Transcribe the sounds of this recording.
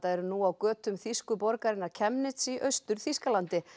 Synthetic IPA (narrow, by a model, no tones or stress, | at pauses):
t̪aɛɾʏnuawkœːt̪ʏmθiskʏpɔɾkaɾɪnːaɾ̥cʰɛmnɪt̪siʔœɥst̪ʏɾ̥θiskalant̪ɪ